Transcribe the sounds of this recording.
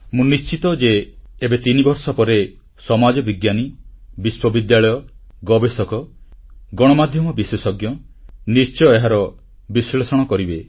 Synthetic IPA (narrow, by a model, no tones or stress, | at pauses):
mũnist͡ʃit̪ɔd͡ʒeːbet̪inibɔɾsɔpɔɾe | sɔmad͡ʒɔbiɡjanibiswɔbid̪jaɭɔjɔɡɔbesɔkɔ | ɡɔɽ̃ɔmad̪ʱjɔmɔbiswesɔɡjɔ | nist͡ʃɔeɦaɾɔ | bislesɔɽ̃ɔkɔɾibe